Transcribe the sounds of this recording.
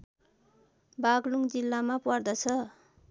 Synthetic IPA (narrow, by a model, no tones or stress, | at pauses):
baɡluŋd͡zilːamapʌrd̪ʌt͡sʰʌ